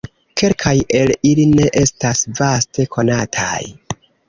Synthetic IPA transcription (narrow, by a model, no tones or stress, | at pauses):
kʰe̞lkʰaje̞liline̞ʔe̞stasvaste̞kʰo̞natʰa̰j